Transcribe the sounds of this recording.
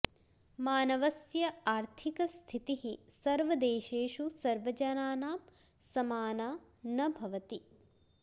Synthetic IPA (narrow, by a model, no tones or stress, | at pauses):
maːnɐʋɐsjɐaːɾt̪ʰikɐst̪ʰit̪iɦisɐɾʋɐd̪eːʃeːʃusɐɾʋɐd͡ʒɐnaːnaːm | sɐmaːnaː | nɐbʱɐʋɐt̪i